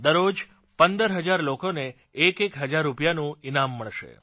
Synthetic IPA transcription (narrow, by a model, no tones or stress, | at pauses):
d̪əɾod͡ʒ | pənd̪əɾɦəd͡ʒaɾlokone | ekekɦəd͡ʒaɾːupjanũinamːəɭʃḛ